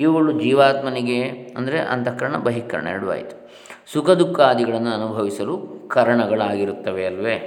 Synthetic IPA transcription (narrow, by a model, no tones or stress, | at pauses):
iʋʋɐɭːud͡ʒiːʋaːt̪mɐniɡe̞ɐ̰nd̪ɐɾeʔɐ̰nt̪ɐkːɐɾɐɳɐ̰bɐɦikːɐɾɐ̰ɳɐ̰ɐɽuʋa̰ːjit̪u̥ | sukɐd̪ukːaːd̪iɡɐɭɐnːuɐnubʱɐʋisɐlukɐɾɐɳɐɡɐɭaːɡiɾut̪ːɐʋeɐlʋe